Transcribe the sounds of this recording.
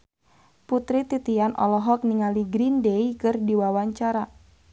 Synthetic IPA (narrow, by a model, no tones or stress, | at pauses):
put̪ɾit̪it̪ianʔɔ̰lɔɦɔk̚niŋaliɡɾindeikɨrdiwawaɲt͡ʃaɾa